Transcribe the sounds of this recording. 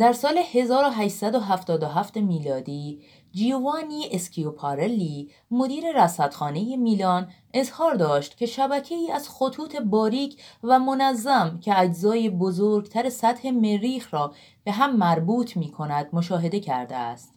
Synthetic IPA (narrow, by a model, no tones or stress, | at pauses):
d̪̥æɾsɒːle̞he̞zɒːɾoɦæʃsæd̪oɦæft̪ɒːd̪oɦæft̪e̞miːlɒːd̪iː | d͡ʒiːvɒːniːʔeskʲʰiopʰɑɾeliː | mo̞d̪iːɾe̞ɾæsæt̪xɒːne̞je̞miːlɒːn | e̞zhɒːɾd̪ɒːʃt̪cʲʰe̞ʃæbæcʰe̞iːæz̥xot̪ʰuːt̪ʰe̞bɒːɾiːcʰvæmo̞næzːæmcʰeæd͡ʒzɒːjebozoːɾɡt̪ʰæɾesæt̪he̞me̞ɾiːxɾɒː | b̥e̞ɦæmːæɾbuːt̪ʰmiːkʰo̞næd̪̥̚mo̞ʃɒːɦe̞d̪e̞cʰæɾd̪ḛæ̰st̪